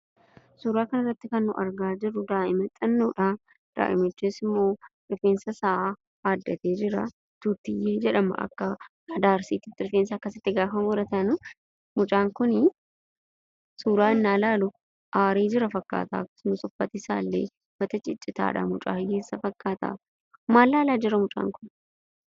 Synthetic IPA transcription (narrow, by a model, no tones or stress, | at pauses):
suːɾaːkɐnɐrːɐt̪ːɪkɐnːʊʔɐ̰ɾɡaːd͡ʒɪɾːʊd̪aːʔɪmɛt̪ʼːɐnːuːᶑa | d̪̥a̰ːʔɪ̰mɪt͡ʃːeːsɪmːo̞ː | ɪfeːnsɐsɐʔa | haːd̪ːɐt̪eːd͡ʒɪɾɐ | t̪uːt̪ːɪjeːd͡ʒɛᶑɐmɐ̰ɐ̰kːɐ | ɐd̪aːɾsiːt̪ɪft̪ːɪɾɪfeːnsɐɐkːɐsɪt̪ːɪɡaːfɐmɔɾɐt̪ɐnʊ | mʊt͡ʃʼaːŋkʊnɪ | suːɾaːɪnːaːlaːlʊ | ʔaːɾeːd͡ʒɪɾɐfɐkːa̰ːt̪a̰ːkʊ̥snʊsɔfːɐt̪ɪsa̰ːlːḛː | bɐt̪ɐt͡ʃʼɪt͡ʃʼːɪt̪a̰ːᶑɐ̰mʊt͡ʃʼa̰ːjeːsːɐfɐkʼːaːt̪ɐ̰ | maːlːaːlaːd͡ʒɪɾɐmʊt͡ʃʼa̰ːŋkʊn